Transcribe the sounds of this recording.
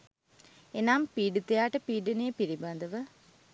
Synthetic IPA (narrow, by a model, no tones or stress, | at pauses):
enampiːɖut̪ejaːʈəpiːɖenejpiɾiband̪əʋə